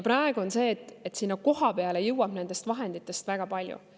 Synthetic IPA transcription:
jpɾɑe̞ɡ̥uo̞nse̞ːt̪ːˑet̪ːsiːnːɑko̞ɦɑpe̞ɑle̞jɯwɑb̥ne̞nd̪̥e̞st̪vɑɦe̞nd̪it̪ːˑe̞st̪væɡ̥ɑpɑlʲjṵ

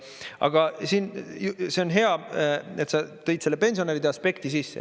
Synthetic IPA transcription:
ʔɑ̰ɡ̥ɑsiːnjuseo̞nɦe̞ɑe̞t̪sɑt̪ɤ̞jd̪̥se̞lːe̞pe̞nsioeɾid̪̥eɑspe̞kt̪isisːḛ

